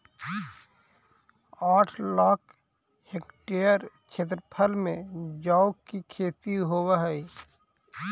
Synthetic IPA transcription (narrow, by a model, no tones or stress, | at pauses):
aːʈʰlaːk | hekʈejəɾ | t͡ʃʰeːt̪̬ɾəpʰəlmẽd͡ʒaːʊkːikʰeːt̪iɦoːwaɦɛi